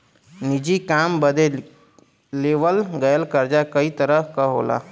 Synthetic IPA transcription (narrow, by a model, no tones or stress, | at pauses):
nid͡ʒikambəd̪e | leʋəlɡəjəlkəɾd͡ʒakəit̪əɾəɦkəɦo̰la̰